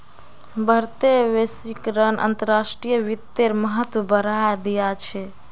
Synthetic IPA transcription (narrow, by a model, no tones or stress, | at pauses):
bəɾt̪ebesikɾənʔə̰nt̪əɾːasʈɾijəʋit̪ːeɾməɦət̪wəbəɾajd̪ijat͡ʃʰɛ